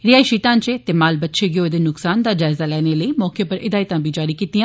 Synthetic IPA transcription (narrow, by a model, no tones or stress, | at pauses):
ɾɪaːiʃiːʈãːnt͡ʃeːt̪eːmaːlbətːʃʰeːɡɪoːd̪eːnʊksaːnd̪aːd͡ʒaːɪzaːlɛːneːləiːmɔːkeːpəɾʔɪd̪aːɪt̪ãːbiːd͡ʒaːɾiːkiːt̪ijãː